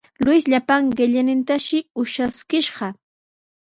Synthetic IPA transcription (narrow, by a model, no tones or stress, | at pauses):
lʊjsʎapaŋɢɪʎɪnɪnt̪aʃɪʊʃaskɪʃɢɑ